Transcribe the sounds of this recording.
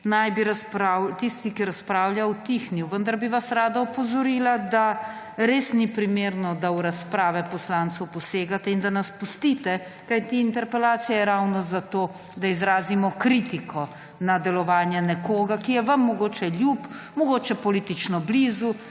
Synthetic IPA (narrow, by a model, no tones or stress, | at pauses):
najbiɾaspɾawt̪ist̪ikiɾaspɾaːwljawt̪ixniwʋənd̪aɾbiʋasɾaːd̪aupɔzɔɾiːlad̪a | ɾeːsnipɾimeːɾnɔd̪awɾaspɾaːʋɛpɔslaːnt̪sɐwpɔseːɡat̪ɛind̪anaspust̪iːt̪ɛ | kajt̪iːnt̪ɛɾpɛlaːt̪sijɛjɛɾawnɔzat̪oː | d̪aizɾaːzimɔkɾiːt̪ikʰɔ | nad̪ɛlɔʋaːnjɛnɛkoːɡakijɛʋɐmːɔɡoːt͡ʃɛljup | mɔɡoːt͡ʃɛpɔlit̪it͡ʃnɔbliːzu